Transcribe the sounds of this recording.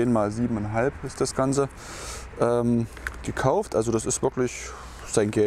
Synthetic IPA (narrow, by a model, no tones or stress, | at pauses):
eːnmaːlziːbm̩ɛnɦalpɪstd̥asɡ̥ansə | ʔɛːmɡ̥əkʰaʊftʔalzodasɪstv̥ɪɐklɪç | z̥aɪnɡɛ